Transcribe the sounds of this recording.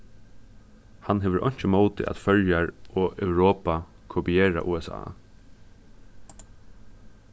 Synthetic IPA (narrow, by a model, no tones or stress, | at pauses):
hanɦɛːʋəʔɔ̰ɲ̥t͡ʃəmoːt̪ɪ̰ʔæ̰t̪fœljaɹɔːʔœwɾoːpa | kʰopieːɹa̰ʔṵːɛsa̰ː